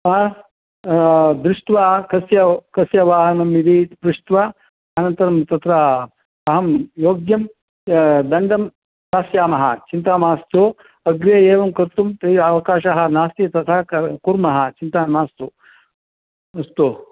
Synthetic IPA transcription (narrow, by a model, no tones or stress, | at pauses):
m | d̪ɾuʂt̪ʋaːkɐsjɐkɐsjɐʋaːɦɐnɐmid̪iːpɾuʂt̪ʋa | aːnɐnt̪ɐɾɐmt̪ɐt̪ɾa | ɐɦɐmjoːɡjɐm | d̪ɐɳɖɐm | t̪aːsjaːmɐɦa̰t͡ʃint̪aːmaːst̪o | ɐɡɾeeːʋɐmkɐɾt̪umt̪ɐiɐʋɐkaːʃaɦanaːst̪iɐt̪ɐt̪ʰakuɾmɐɦat͡ʃint̪amaːst̪oː | ɐst̪oː